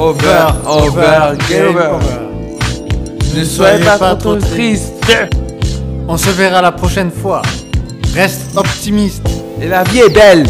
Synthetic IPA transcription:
ovɛʁovɛʁɡɛvv | əswajeatpat̪χot̪ist̪ | ɔ̃səveʁalapχɔʃɛnfwa | ʁɛst̪ɔpt̪imist̪ | elaviɛbɛl

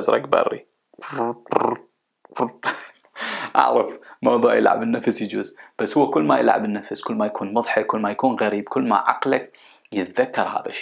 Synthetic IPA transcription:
zɾˤɑ̰kbɑ̰rːḭ | ʔɑ̰ʕɾɑfmɑwðˤuːʕjɪ̰lʕa̰bɪnːafsjd͡ʒuːzb̥asːhʊwːakʊlːmajɪ̰lʕa̰bɪnːafskʊlːmajakʰuːnmʊðˤħɪkʊlːmajakuːnɣaɾiːb̚kʊlːma̰ʕɑ̰qlak | jɪt̪ðakːɑɾˤha̰ːða̰ʃːi̥

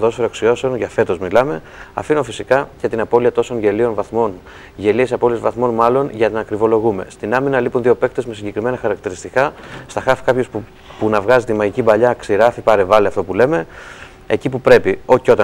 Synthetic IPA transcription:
ðo̞sfeɾoɐksio̞se̞onʝɐfe̞t̪o̞zmilɐme̞ | ɐ̰finofisikɐcɐt̪inɐpo̞liɐt̪o̞so̞nʝe̞lio̞nvɐθmo̞n | ʝe̞lie̞sɐpo̞lie̞zvɐθmo̞nmɐlo̞nʝɐnnɐɐkɾivo̞lo̞ɣume̞̰st̪inɐminɐlipunðio̞pe̞k̚t̪e̞zmesiɲɟe̞kɾime̞nɐxɐɾɐk̚t̪iɾist̪ikɐst̪ɐxɐfi̥kɐpço̞s | punɐvɣɐzit̪imɐʝicibɐʎɐksiɾɐfipɐɾe̞vɐliɐft̪o̞pule̞me̞ | ḛcipupɾe̞pio̞çio̞t̪ɐ

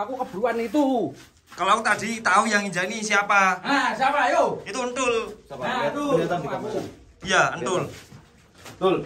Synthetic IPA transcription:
akukəb̥ɾuanit̪u | kaloakut̪ad̥i̤t̪aujaŋid͡ʒainisiapaasiapajoit̪uənt̪ʊl | ku | jaənt̪ʊl | t̪ʊl

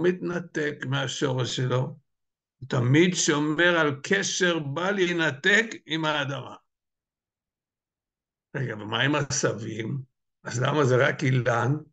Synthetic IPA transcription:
mit̪nat̪ekmeaʃo̞ʁeʃːelo̞ | t̪amid̪ʃome̞ʁalkʰeʃe̞ʁbalinat̪ekimhaːd̪ama̰ | ʁeɡabemaimasavim | azla̰mazeʁakilan

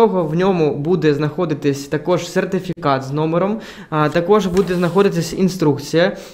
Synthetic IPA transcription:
ɔɣɔwnʲɔmubud̪ʲɛznɐxɔd̪ɨt̪ɨsʲt̪ɐkɔʂsʲɛrt̪ɨfʲikat̪znɔmɨɾɐm | t̪ɐkɔʐbud̪ʲɛznɐxɔd̪ʲɨt̪ːɐsʲinst̪ɾukt̪sʲijɐ

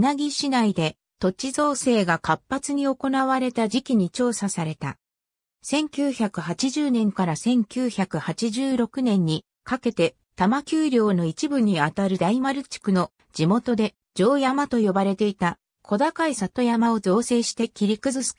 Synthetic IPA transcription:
naɡʲiɕinaid̪e̞ | t̪o̞t͡ɕizo̞ːse̞ːɡakapːat͡sɨɲ̟io̞ko̞naβaɾe̞t̪ad͡ʑikʲiɲ̟it͡ɕo̞ːsasaɾe̞t̪a̰ | sẽ̞ŋkʲɨːçʲakɯ̟hat͡ɕiʑɨːnẽ̞ŋkaɾasẽ̞ŋkʲɨːçakɯ̟hat͡ɕiʑɨːɾo̞kɯ̟nẽ̞ɲ̟ːi | kake̞t̪e̞ | t̪amakʲɨːɾʲo̞ːno̞it͡ɕibɯ̟ɲ̟ːiat̪aɾɯ̟d̪aimaɾɯ̟t͡ɕi̥kɯ̟no̞ | d͡ʑimo̞t̪o̞d̪e̞ | d͡ʑo̞ːjamat̪o̞jo̞baɾe̞t̪e̞it̪a | kʰo̞d̪akaisat̪o̞jamao̞zo̞ːse̞ːɕi̥t̪e̞kʲiɾʲikɯ̟zɨ̥

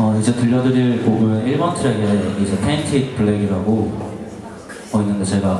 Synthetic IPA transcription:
ʌid͡ʑetɯʎːʌdɯɾiɭkoɡjueiɭmʌntʰɯɾeɡeneiɡiid͡ʑʰetʰentʰeitʰpʰɯɭːeɡiɾaɡo | ʌinːɯnde̞t͡ɕe̞ɡa

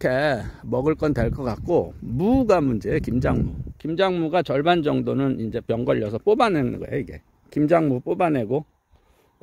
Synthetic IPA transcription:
kʰemʌɡɯɭk͈ʌndwe̞ɭk͈ʌk͈ak̚k͈omuɡamund͡ʑekimd͡ʑaŋmṵkimd͡ʑaŋmuɡat͡ɕʌɭband͡ʑʌŋdonɯnind͡ʑe̞pjʌŋɡʌʎːʌsʰʌp͈obanɦenɯnŋɡʌ̰ḛoiɡe̞̰ | kimd͡ʑaŋmup͈obane̞ɡo

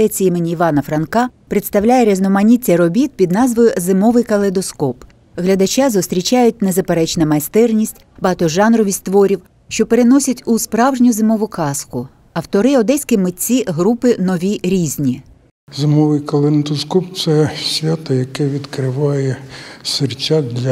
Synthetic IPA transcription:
ɛt͡sʲijimenʲiːʋɑnɐfɾɐnkɑpɾɪt̪st̪ɐwlʲajɛɾʲɛznɔmɐnʲit͡sʲːɐɾɔbʲit̪̚pʲid̪nɑzʋɔjʊzɪmɔʋɪjkɐlˠed̪ɔskɔp | ɦlʲɐd̪ɐt͡ʃazʊst̪ɾʲit͡ʃɑjʊt̚ʲnezɐpeɾɛt͡ʃnɐmɐjst̪ɛrnʲisʲtʲbɐɑt̪ɔʒɑnɾɔʋʲisʲt̪ʋɔɾʲiw | ʃt͡ʃɔpe̞ɾenɔsʲɐtʲʊspɾɑwʒnʲʊzɪmɔʋʊkɑskʊ | ɐwt̪ɔɾɪɔd̪ɛsʲkɪmɪt͡sʲiɦɾupɪnɔʋʲiɾʲizʲnʲi | zɪmɔʋɪjkɐlˠend̪ɔskɔpt̪sɛsʲʋʲat̪ɐjɐkɛʋʲid̪kɾɪʋɑjɛsert͡ʃʲad̪lʲɐ

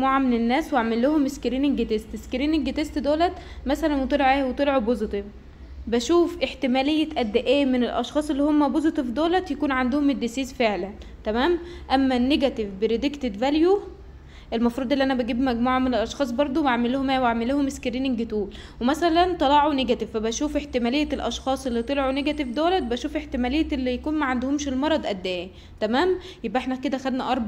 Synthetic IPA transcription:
muːʕamenenːæːsweaʕmelːohomeskɾiːneŋɡet̪est̪eskɾiːneŋɡet̪est̪d̪oːlæt̪mæsælænwet̪ˤelʕewet̪ˤelʕubozet̪ev | bæʃuːfʔeħt̪emæːlejːæt̪ʔæd̪ːeʔeːmenelʔɑʃxɑːsˤelːiːhomːæbozet̪evd̪oːlæt̪jækuːnʕand̪ohomed̪ːesiːzfeʕlænt̪æmæːmʔæmːænːeɡæt̪evbeɾed̪ekt̪ed̪vælju | ʔelmɑfɾˤuːd̪ˤʔelːiʔænæbæɡiːbmæɡmuːʕɑmenelʔɑʃxɑːsˤbɑɾˤd̪ˤoaʕmeluhomæwaʕmeluːhomeskeɾiːniŋɡet̪uːl | wemæsælænt̪ˤɑlɑʕoneɡæt̪evfæbæʃuːfeħt̪emælejːæelʔɑʃxɑːsˤʔelːit̪ˤelʕoneɡæt̪evd̪oːlɑt̪̚bæʃuːfeħt̪emælejːæelːijækuːnmæʕand̪ohomʃelmɑɾˤɑd̪ˤʔæd̪ːæːji | t̪æmæːmjebʔeħnæked̪æxæd̪næʔɑɾˤbɑ

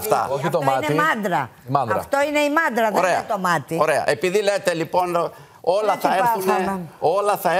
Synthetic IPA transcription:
ft̪ɐ̰oit̪omtnemɐnd̪ɾɐɐd̪ɐɐft̪o̞ine̞imɐnd̪ɾɐðoɾeɐt̪omɐt̪ioɾe̞ɐ̰ʔe̞piðile̞t̪e̞lipo̞n | o̞lɐθɐeɾθuneo̞lɐθɐe

